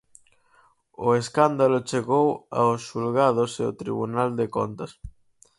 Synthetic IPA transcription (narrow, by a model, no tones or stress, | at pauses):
ʊeskand̪alʊt͡ʃeɣowa̰ʊsʃulɣað̞ʊseo̰t̪ɾḭβunald̪eko̰nt̪ɐs